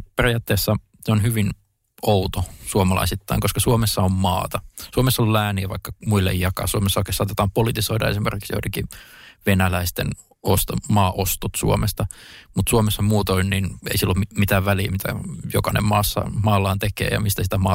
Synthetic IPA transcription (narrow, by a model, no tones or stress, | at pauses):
perijɑːt̪ːeːsːɑ | neonhyʋin | out̪osuomɑlɑ̰isit̪ːɑiŋkoskɑsuomesːɑommɑ̰ːt̪ɑsuomesːɑollæːniæʋɑ̰ikːɑmuilːḛjjːɑkɑ̰ːsuomesːoˑikesɑːt̪et̪ɑːmpolit̪isoidɑ̰esimḛrkiksjo̰tekiʋenælæist̪ḛn | ost̪ɑmɑːʔost̪ot̪sṵomest̪ɑmut̪suomesːɑmuːt̪oinninḛisilːommit̪æːʋʋæliːmit̪æ̰jokɑnḛmmɑːsːɑ̰mɑːlːɑːnt̪ekḛːjɑ̰mist̪æsit̪æmɑː